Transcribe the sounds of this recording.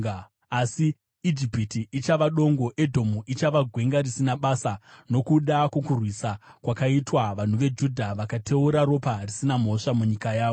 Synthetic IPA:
asi | id͡ʒipitiʔit͡ʃaʋaɗo̞ŋɡo̞ʔe̞dʱo̞muʔit͡ʃaʋaɡʱwe̞ŋɡarisinaɓasano̞kuɗakwokurwisakwakaitwaʋan̤uʋe̞d͡ʒudʱaʋakatʰe̞uɾaɾo̞parisinam̤o̞ʂamuɲikajaːʋo

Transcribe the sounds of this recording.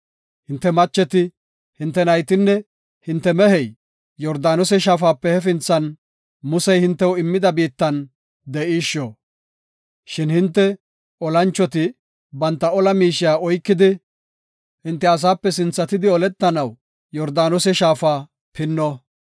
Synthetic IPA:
hɪnt̪ːɛmɐt͡ʃːɛt̪ɪ | hɪnt̪ːɛnɐjt̪ɪnːɛ | hɪnt̪ːɛmɛɦɛj | jɔɾd̪aːnɔsɛʃ̬aːfaːpːɛhɛfɪnt͡sːɐn | mʊsɛjhɪnt̪ːɛwɪmːɪd̪ɐbiːt̪ːɐn | d̪ɛʔiːʃːɔ | ʃɪnhɪnt̪ːɛ | ɔlɐnt͡ʃːɔt̪ɪ | bɐnt̪ːɐɔlɐmiːʃɪjaːɔjkːɪd̪ɪ | hɪnt̪ːɛɐs̬aːpːɛsɪnt͡sːɐt̪ɪd̪ɪɔlɛt̪ːɐnɐw | jɔɾd̪aːnɔsɛʃaːfaː | pʰɪnːɔ

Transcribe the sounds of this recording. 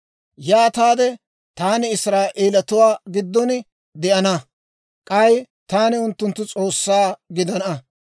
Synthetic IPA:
jaːt̪aːd̪ɛ | t̪aːnɪɪsɾaːʔeːlɐt̪ʊwaːɡɪd̪ːɔn | d̪ɛʔɐnɐ | kʼɐj | t̪aːnɪʊnt̪ːʊnt̪ːʊt͡sʼo̞ːsːaːɡɪd̪ɐnɐ

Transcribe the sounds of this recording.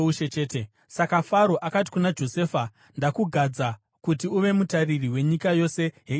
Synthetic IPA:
uʃet͡ʃeːte | sakafaɾo̞ʔakati̥kunad͡ʒo̞se̞ːfa | ndakuɡʱad͡za | kutiuʋe̞mutaririwe̞ɲikajo̞se̞ɦe

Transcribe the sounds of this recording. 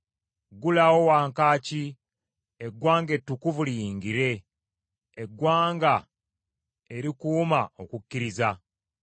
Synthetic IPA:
ɡulawo̞waːŋkaːci | eɡwaːŋɡe̞tːukuvulijiːŋɡiɾe̞ː | ɡwaːŋɡa | e̞ɾikuːmao̞kukːiɾiza

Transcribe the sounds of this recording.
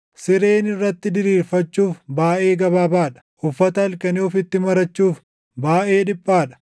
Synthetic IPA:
sɪɾe̞ːnɪrːɐt̪ːɪd̪ɪɾiːɾfɐt͡ʃːuːfbaːʔe̞ːɡɐβaːbaːᶑɐ̥ʔʊfːɐt̪ɐɐlkɐniɔfɪt̪ːɪmɐɾɐt͡ʃːuːf | baːʔe̞ːᶑɪpʼːaːᶑɐ̥

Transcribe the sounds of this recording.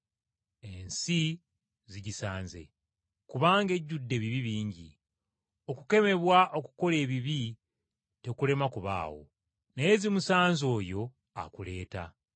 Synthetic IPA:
e̞nsi | ziɟisaːnze̞̰ | kuβaːŋɡe̞ɟːudːe̞βiβiβiːɲɟḭ | o̞kuke̞me̞βwaʔo̞ku̥ko̞le̞ːβiβi | te̞kule̞makuβa̰ːwo̞̰ | nejzimusaːnzo̞ːjo̞ | a̰kule̞ːta̰

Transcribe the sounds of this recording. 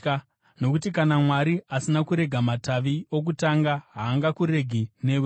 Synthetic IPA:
no̞kutikanamwaɾiʔasinakuɾe̞ɡʱamataʋio̞k̬utaŋɡaɦaːŋɡakuɾe̞ɡʱine̞w

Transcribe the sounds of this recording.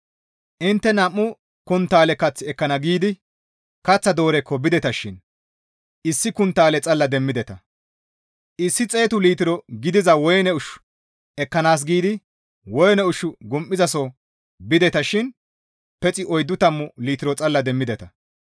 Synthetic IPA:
ʔɪnt̪ːɛnɐmːʊ | kʊnt̪ːaːlɛkɐt͡sːɪɛkːɐnɐɡiːd̪ɪ | kɐt͡sːɐd̪o̞ːɾɛkːɔbɪd̪ɛt̪ɐʃɪn | ɪsːɪkʊnt̪ːaːlɛt͡sʼɐlːɐd̪ɛmːɪd̪ɛt̪ɐ | ʔɪsːɪt͡sʼe̞ːt̪ʊliːt̪ɪɾɔɡɪd̪ɪzɐwɔjnɛʊʃ | ɛkːɐnaːs̬ɡiːd̪ɪ | wɔjnɛʊʃːʊɡʊmʔːɪzɐso | bɪd̪ɛt̪ɐʃɪn | pɛt͡sʼɪʔɔjd̪ːʊt̪ɐmːʊliːt̪ɪɾɔt͡sʼɐlːɐd̪ɛmːɪd̪ɛt̪ɐ

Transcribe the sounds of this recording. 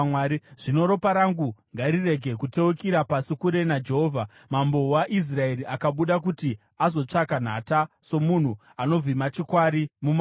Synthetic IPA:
wiʐ̥ino̞ɾo̞paɾaŋɡuŋɡaɾire̞ɡʱe̞kute̞ukiɾapasikuɾe̞nad͡ʒe̞ɦoːvʱa | mambo̞waʔis̬rae̞ɾiʔakaɓuɗak̬uti | azo̞t͡ʂakan̤ataso̞mun̤u | ano̞vimat͡ʃikwaɾimuma

